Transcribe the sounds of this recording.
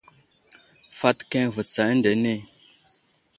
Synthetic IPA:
fa˦tkɛ̃˦˨və˨t͡sa˨˦nde˨ne˦˨

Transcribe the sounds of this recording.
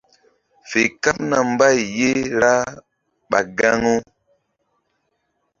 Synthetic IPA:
fe˨ka˦p̚na˨m˦ba˦˨jje˦ɾa˦ | ɓa˨ɡa˦ŋo˦

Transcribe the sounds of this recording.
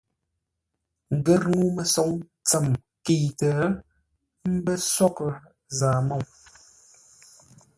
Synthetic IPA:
ŋ̩˨ɡə˦ɾŋu˦mə˨sɔ˨˦ŋ | t͡sə˨m | ke˨tə˨˦ | m̩˦bə˦sɔ˦kə˨ | zaː˨mo˦˨ŋ

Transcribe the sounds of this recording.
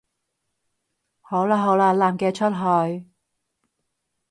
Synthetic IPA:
ho˨˥wlaː˧ɦo˨˥wlaː˧laː˨˩mkɛː˧t͡ʃʰɵ˥t̚ɦɔː˧j

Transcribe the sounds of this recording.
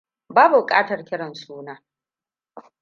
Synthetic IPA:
baː˦bu˨kʼa̰ː˦tɐ˨rkʲɪ˦ɽɐ˨nsuː˦naː˦

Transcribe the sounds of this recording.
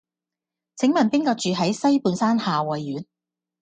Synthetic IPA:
t͡sʰɪ˨˥ŋmɐ˨npɪ˥ŋkɔː˧k̚t͡ʃyː˨ɦɐ˨˥jsɐ˥jpuː˨˧nsaː˥nhaː˨wɐ˨jːyː˨˥n

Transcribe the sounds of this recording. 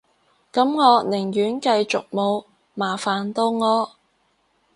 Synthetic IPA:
kɐ˨˥mŋɔː˨˧nɪ˨˩ŋjyː˨˥nkɐ˧jt͡sʊ˨k̚mo˨˧w | maː˨˩faː˨nt̪o˧wŋɔː˨˧

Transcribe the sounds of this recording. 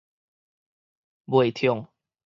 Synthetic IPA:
bwe˨ɪt̪ʰjɔ˨ŋ

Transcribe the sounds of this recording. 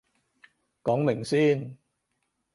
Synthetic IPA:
kɔː˨˥ŋmɪ˨˩ŋsiː˥n

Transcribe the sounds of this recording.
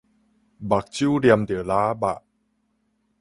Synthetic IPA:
ba˨˩k̚t͡ɕu˦ɾi˧əmd̪i˨˩˦laː˦ba̰˨ʔ

